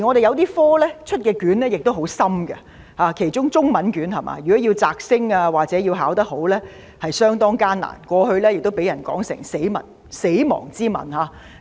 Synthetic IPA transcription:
i˨˩ŋɔ˨˧ɾe˨jɐ˨˧wt̪iː˥fɔː˥lɛː˥t͡ʃʰɵ˥t̚kɛː˧kyː˨˥nlɛː˥jɪ˨k̚t̪o˥wɦo˨˥wsɐ˥mɡɐ̰˧ | haː˨˧kʰe˨˩jt͡ʃʊ˥ŋt͡sʊ˥ŋmɐ˨˥nkyː˨˥nhɐ˨mʔa̰ː˨˧jy˨kɔ˨˥ji˧wt͡saː˧k̚sɪ˥ŋaː˧waː˨˩k̚t͡sɛː˨˥jiː˧wɦaː˨˥wt̪ɐ˥k̚ɦo˨˥wlɛː˥ | hɐ˨jsœː˥ŋt̪ɔː˥ŋkaː˥nːa̰ː˨˩nkʷɔː˧hɵ˧ɥlɛ˥jɪ˨k̚t̪o˥wpe˨˥jɐ˨˩nkɔ̰ː˨˥ŋsɪ̰˨˩ŋse˨˥jmɐ̰˨˩n | se˨˥jmɔ̰ː˨˩ŋt͡siː˥mɐ̰˨˩nhaː˨˧

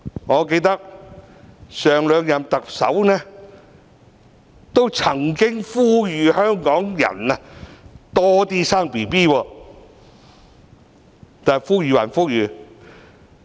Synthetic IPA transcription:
ŋɔː˨˧ke˧jt̪ɐ˥k̚ | sœː˨ŋlœː˨˧ŋjɐ˨˩mt̪ɐ˨k̚sɐ̰˨˥wnɛː˥ | t̪o˥wt͡sʰɐ˨˩ŋkɪ˥ŋfuː˥jyː˨˧hœː˥ŋkɔː˨˥ŋjɐ̰˨˩nɐ˧t̪ɔː˥t̪iː˥saː˥ŋpiː˨˩piː˥˩wɔː˧ | t̪aː˨˩fuː˥jyː˨wɐ̰˨˩nfu˥k̚jyː˨˧

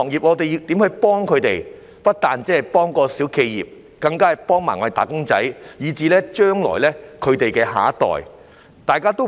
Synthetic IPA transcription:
ɔː˨˩ŋjiː˨p̚ŋɔː˨˧t̪e˨jiː˧wt̪i˨˥mhɵ˧ɥpɔː˥ŋkʰɵ˨˧ɥt̪e˨j | pɐ˥t̚t̪aː˨nt͡sɛː˥hjpɔː˥ŋkɔː˧siː˨˥wkʰe˧jjḭː˨˩p̚ | kɐ˧ŋkaː˥˨˩jpɔː˥ŋmaː˨˩ŋɔ˨˧˥e˨˩t̪a̰ː˨˩kʊ˥ŋt͡sɐ˨˥jjiː˨˧t͡siː˨˧lɛː˥t͡ʃœː˥ŋlɔ̰ː˨˩jlɛː˥kʰɵ˨˧ɥt̪e˨jkɛː˧ɦa̰ː˨˥t̪ɔ̰ː˨j | t̪aː˨jkaː˥t̪o˥w

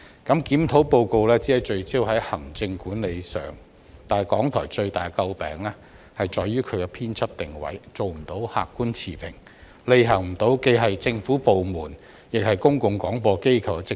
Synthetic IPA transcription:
kɐ˨˥mkiː˨˥mt̪ʰo˨˥wpo˧wko˧wlɛː˥t͡si˨˥hɐ˨˥jt͡ʃɵ˧ɥt͡siː˥whɐ˨˥jhɐ˨˩ŋt͡sɪ˧ŋkuː˨˥nle˨˧jsœ̰ː˨˩ŋ | t̪aː˨kɔː˨˥ŋt̪ʰɔ̰ː˨˩jt͡ʃɵ˧ɥt̪aː˨˩kɐ˧wpɛ̰ː˨ŋlɛː˥ | hɐ˨jt͡ʃɔː˨jːyː˥kʰɵ˨˧ɥkɛ˧pʰiː˥nt͡sʰɐ˥p̚t̪ɪ˨˩ŋwɐ̰˨˥jt͡so˨wm̩˨˩t̪o˨˥wha̰ː˨kːuː˥nt͡sʰiː˨˩pʰɪ̰˨˩ŋ | le˨˧jɦɐ˨˩ŋm̩˨˩t̪o˨˥wke˧jɦɐ˨jt͡sɪ˧ŋfuː˨˥po˨wmuː˨˩n | jɪ˨k̚hɐ˨jkʊ˥ŋkʊ˨˧ŋkɔː˨˥ŋpɔː˧ke˥jkʰɐ˨˧wkɛ˧t͡sɪ˨

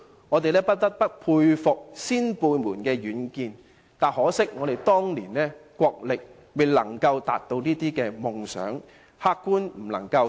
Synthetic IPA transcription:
ŋɔː˨˧t̪e˨jlɛː˥pɐ˥t̚t̪ɐ˥t̚pɐ˥t̚pʰuː˧jfʊ˨k̚siː˥npuː˧jmuː˨˩nkɛː˧ɥyː˨˥nkiː˧n | t̪aː˨˩hɔː˨˥sɪ˥k̚ŋɔː˨˧ɾe˨jt̪ɔː˥ŋliː˨˩nlɛː˥kʷɔː˧k̚lɪ˨k̚ | we˨˩lɐ˨˩ŋkɐ˧wt̪a̰ː˨˩t̚t̪o˧wniː˥t̪iː˥kɛː˧mʊ˨ŋsœ̰ː˨˥ŋ | haː˥kkːuː˥nm̩˨˩lɐ˨˩ŋkɐ˧w

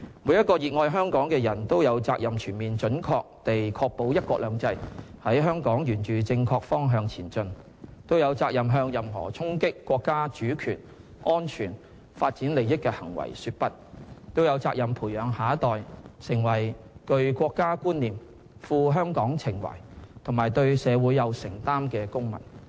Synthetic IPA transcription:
muː˨˧jɐ˥t̚kːɔː˧jiː˨˧t̚ŋɔː˧jɦœː˥ŋkɔː˨˥ŋkɛː˧jɐ˨˩nt̪o˥wjɐ˨˧wt͡saː˧k̚jɐ˨mt͡ʃʰyː˨˩nmiː˨nt͡ʃɵ˨˥nkʰɔː˧k̚t̪e˨jkʰɔː˧k̚po˨˥wjɐ˥t̚kʷɔː˧˥lœː˨˧ŋt͡sɐ˧jhɐ˨˥jɦœː˥ŋkɔː˨˥ŋjyː˨˩nt͡ʃyː˨t͡sɪ˧ŋkʰɔː˧k̚fɔː˥ŋɦœː˧ŋt͡sʰiː˨˩nt͡ʃɵ˧n | t̪o˥wjɐ˨˧wt͡saː˧k̚jɐ˨mɦœː˧ŋjɐ˨mɦɔ̰ː˨˩t͡sʰʊ˥ŋkɪ˥kːwɔː˧kːaː˥t͡ʃyː˨˥kʰyː˨˩n | ʔɔː˥nt͡ʃʰyː˨˩n | faː˧t̚t͡siː˨˥nle˨jɪ˥kːɛː˧hɐ̰˨˩ŋwɐ̰˨˩jsyː˧t̚pɐ˥t̚t̪o˥wjɐ˨˧wt͡saː˧˥k̚jɐ˨mpʰuː˨˩jœː˨˧ŋɦaː˨˥t̪ɔː˨jsɪ˨˩ŋwɐ˨˩jkɵ˧ɥkʷɔː˧kːaː˥kuː˥nniː˨m | fuː˧ɦœː˥ŋkɔː˨˥ŋt͡sʰɪ˨˩ŋwɐ̰˨˩jt̪ʰʊ˨˩ŋmaː˨˩jt̪ɵ˧ɥsɛː˨˧wuː˨˥jɐ˨˧wsɪ˨˩ŋt̪aː˥mkɛː˧kʊ˥ŋmɐ̰˨˩n

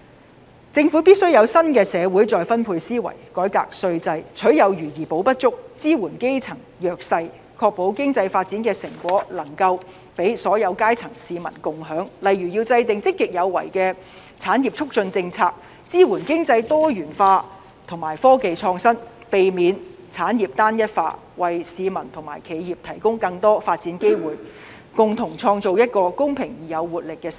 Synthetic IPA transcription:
t͡sɪ˧ŋfuː˨˥piː˥t̚sɵ˥ɥjɐ˨˧wsɐ˥nkɛː˧sɛː˨˧wuː˨˥jt͡sɔː˨˧jfɐ˥npʰuː˧jsiː˥wɐ̰˨˩jkɔː˨˥jka̰ː˧k̚sɵ˧ɥt͡sɐ˧jt͡ʃʰɵ˨˥ɥjɐ˨˧wjyː˨˩jiː˨˩po˨˥wpɐ˥t̚t͡sʊ˥k̚t͡siː˥wuː˨˩nke˥jt͡sʰɐ˨˩ŋjœː˧k̚sɐ˧j | kʰɔː˧k̚po˨˥wkɪ˥ŋt͡sɐ˧jfaː˧t̚t͡siː˨˥nkɛː˧sɪ˨˩ŋkʷɔː˨˥lɐ˨˩ŋkɐ˧w | pe˨˥jsɔː˨˥jɐ˨˧wkaː˥jt͡sʰɐ˨˩ŋsiː˨mɐ̰˨˩nkʊ˨ŋɦœː˨˥ŋlɐ˨jɥyː˨˩jiː˧wt͡sɐ˧jt̪ɪ˨ŋt͡sɪ˥kːɪ˨k̚jɐ˨˧wːɐ̰˨˩jkɛː˧ | t͡sʰaː˨˥njiː˨p̚t͡ʃʰʊ˥k̚t͡sɵ˧nt͡sɪ˧ŋt͡sʰaː˧k̚ | t͡siː˥wuː˨˩nkɪ˥ŋt͡sɐ˧jt̪ɔː˥jyː˨˩nfaː˧ | t̪ʰʊ˨˩ŋmaː˨˩jfɔː˥ke˨jt͡ʃʰɔː˧ŋsɐ˥n | pe˨jmiː˨˧nt͡sʰaː˨˥njiː˨p̚t̪aː˥njɐ˥t̚faː˧ | wɐ˨jsiː˨˧mɐ˨˩nt̪ʰʊ˨˩ŋma̰ː˨˩jkʰe˨˧jjiː˨p̚t̪ʰɐ˨˩jkʊ˥ŋkɐ˧ŋt̪ɔː˥faː˧t̚t͡siː˨˥nke˥jwuː˨˩j | kʊ˨ŋt̪ʰʊ˨˩ŋt͡sʰɔː˧ŋt͡so˨wjɐ˥t̚kɔː˧kʊ˥ŋpʰɪ˨˩ŋjiː˨˩jɐ˨˧wwuː˨t̚lɪ˨kːɛː˧s

